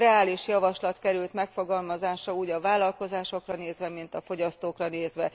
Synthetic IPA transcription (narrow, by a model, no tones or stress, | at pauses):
ɛaːliʃjɒvɒʃlɒt̪kɛɾylt̪mɛkfo̞ɡɒlmɒzaːʃɒuːɟɒvaːlːɒlko̞zaːʃo̞krɒneːzʋɛmint̪ɒfo̞ɟɒst̪oːkrɒneːzʋɛ